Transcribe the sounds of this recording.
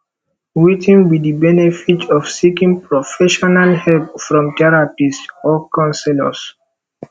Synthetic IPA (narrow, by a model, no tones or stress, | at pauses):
witʰĩnbidibɛnɛfitɔfsikĩŋpɹɔfɛʃɔnalhɛlpfɹɔ̃mtɛɹapisɔkãnsɛlɔ̰s